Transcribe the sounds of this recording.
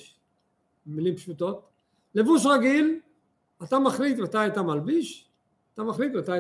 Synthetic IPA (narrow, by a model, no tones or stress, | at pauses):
milimpʃut̪o̞t̪ | levuʃ̬ʁaɡil | at̪amaχlit̪mat̪ajat̪amalbiʃ | at̪amaχlit̪veat̪aj